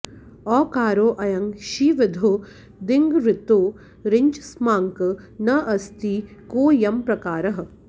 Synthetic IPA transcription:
ɔːkaːɾoːʔɐjɐŋɡʃiːʋɪd̪ʱoː | d̪ɪŋɡɾɪt̪oː | ɾɪɲt͡ʃsmaːŋknɐʔɐst̪iːkoːjɐmpɾɐkaːɾɐɦɐ̆

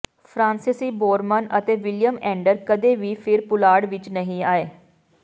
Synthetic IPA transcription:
pʰɾãːnsɪsiːboːɾmənət̪eːʋɪlijəmɛ̃ːɳɖəɾkəd̪eːʋiːpʰɪɾpʊlaːɽʋɪt͡ʃnəɦĩːaːeː

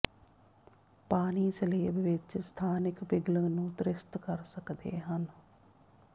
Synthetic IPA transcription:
paːniːsəleːbʋɪt͡ʃst̪ʰaːnɪkbɪɡlənũːt̪ɾɪst̪kəɾsəkd̪ḛːɦən

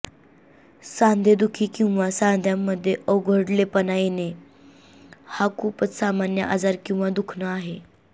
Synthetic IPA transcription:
sãnd̪ʱed̪ukʰiːkĩw̃ʋasand̪ʱjamːəd̪ʱːjeʔəwɡʱəɽlepənajene | hakupət͡ssamanjə̰ʔad͡zaɾkĩw̃ʋad̪ukʰnəaɦe

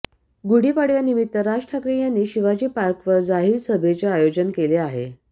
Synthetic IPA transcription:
ɡuɽ̤iːpaɽjanimit̪ːəɾad͡ʑʈʰakɾijanːiːɕiʋad͡ʑiːpaɾkʋəɾd͡zaɦilsəbʱet͡seajod͡ʑənkeleaɦḛ

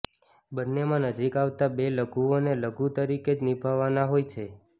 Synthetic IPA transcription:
bənːemãnəd͡ʒikaʋt̪abeləɡʱuoneləɡut̪əɾiked͡ʒnibʱaʋanaɦojt͡ʃʰe

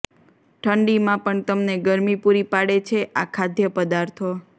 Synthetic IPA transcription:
ʈʰəɳɖimãpəɳt̪əmneɡəɾmipuɾipaɽet͡ʃʰeʔakʰad̪jəpəd̪aɾt̪ʰo

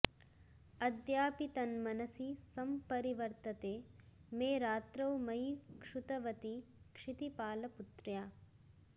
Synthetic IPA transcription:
ɐd̪jaːpit̪ɐnmɐnɐsisɐmpɐɾiʋɐɾt̪ɐt̪eːmeːɾaːt̪ɾɐwmɐjkʂut̪ɐʋɐt̪ikʂit̪ipaːlɐput̪ɾjaː

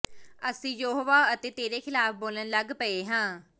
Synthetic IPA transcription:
əsĩːjoːɦoːʋaːət̪eːt̪eːɾeːkʰɪlaːpʰboːlənləɡpəeːɦãː

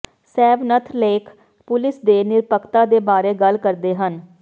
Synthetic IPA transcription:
sɛːʋnət̪ʰleːkʰ | pʊlɪsd̪eːnɪɾpəkt̪aːd̪eːbaːɾeːɡəlkəɾd̪eːɦən

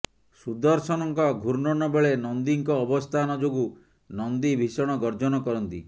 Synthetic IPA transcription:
sud̪ɔɾsɔnɔŋkɔɡʱuɾnɔnɔbeɭenɔnd̪iŋkɔːbɔst̪ʰanɔd͡ʒoɡu | nɔnd̪ibʱisɔɽ̃ɔɡɔɾd͡ʒɔnɔkɔɾɔnt̪ḭ

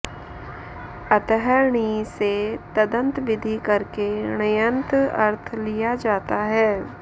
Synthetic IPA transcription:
ɐt̪ɦəɾɳiset̪ɐd̪ə̃nt̪ʋɪd̪ʱikɐɾkenɐjə̃nt̪ɐ̰ɾt̪ʰlijad͡ʒaːt̪aɦɛː

